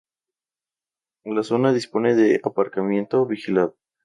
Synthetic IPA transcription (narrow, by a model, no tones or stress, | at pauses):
laso̞naðispo̞ne̞ðeapaɾkamjẽ̞nt̪oβixilaðo